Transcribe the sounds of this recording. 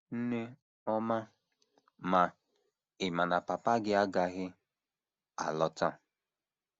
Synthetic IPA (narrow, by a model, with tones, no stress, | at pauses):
n̩˦ne˦ | ɔ˦ma˦ | ma˨ | ɪ˨ma˨na˨pa˨pa˦ɡɪ˦a˦ɡa˨ɣɪ˦ | a̰˨lɔ˨ta˦˨